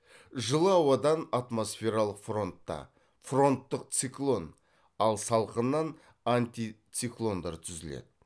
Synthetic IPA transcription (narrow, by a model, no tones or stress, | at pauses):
ʒəlˠəɑwɑd̪ɑnat̪mo̞sfʲe̞ɾalˠəqfro̞nt̪ːɑ̰ | fro̞nt̪ːəqt̪siklˠo̞n | ɑlˠsɑlˠqənːɑn | ant̪ʲit̪siklˠo̞nd̪ɑɾt̪ʰʏzɪlḛd̪ɪ